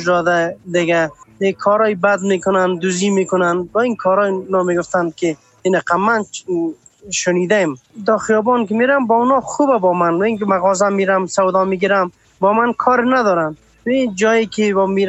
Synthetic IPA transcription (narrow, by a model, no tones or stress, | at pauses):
ʒdɔd̪ad̪ɪɡaekʰɔɾɔjbad̪mekʊnand̪uzimekʊnanbɔinkʰɔɾɔjnɔmeɡʊft̪ankɪ | inaqamːan | ʃʊnid̪aemd̪ɔxijɔbɔnkɪmeɾambɔʊnɔxubabɔmanwainkɪmaɣɔzamiɾamsawd̪ɔmiɡiɾam | bɔmankʰɔɾɪnad̪ɔɾan | wid͡ʒɔjekɪbɔmeɾ